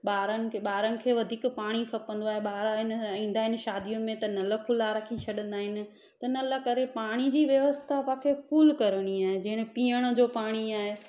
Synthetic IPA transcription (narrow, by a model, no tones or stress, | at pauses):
ɓaːɾənɪ̆ɓaːɾənɪ̆kʰeːʋɐd̪ʱiːkpaːɽ̃ikʰɐpə̃nd̪oaːɦeɓaːɾaɦɪnĩːn̆d̪aːɦɪnɪ̆ʃaːd̪ijʊnɪ̆mẽt̪ɐnɐləkʰʊlaːɾɐkʰĩt͡ɕʰɐɗə̃nd̪aːɦɪnɪ̆ | t̪ɐnɐləkɐɾepaːɽ̃id͡ʑiːʋjɐʋəst̪ʰapaːkʰekʰuːlkɐɾəɽ̃iaːɦed͡ʑɐɦɪɽ̃piːəɽ̃ʊ̆d͡ʑoːpaːɽ̃iaːɦe